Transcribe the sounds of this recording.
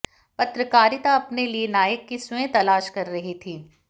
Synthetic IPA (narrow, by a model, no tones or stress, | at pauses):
pɐt̪ɾəkaːɾɪt̪aɐpnelienaːjəkːɪswẽt̪ɐlaːʃkɐɾːɐɦit̪ʰiː